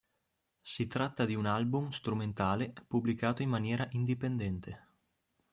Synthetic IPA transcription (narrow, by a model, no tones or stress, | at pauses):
sit̪ɾat̪ːad̪iunalbumst̪ɾument̪aːlepublikaːt̪oimmanjɛːɾaʔind̪ipend̪ɛnt̪ʰe